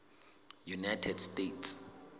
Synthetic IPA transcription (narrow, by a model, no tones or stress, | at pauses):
junajtʰɛd̥stetʰs